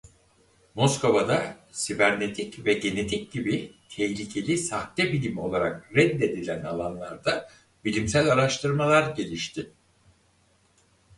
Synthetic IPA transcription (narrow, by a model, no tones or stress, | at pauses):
mo̞sko̞vad̪a | sivæɾne̞t̪ʰicvɛɟe̞ne̞t̪ʰic̚ɟibit̪ʰɛçlʲicʰe̞lʲisaht̪ɛbilʲimo̞lˠaɾakɾɛd̪ːe̞d̪ilʲæna̰lˠanlˠaɾd̪a | bilʲimsælʲaɾaʃt̪ʰɯɾmalˠaɾɟe̞lʲiʃt̪ʰɪ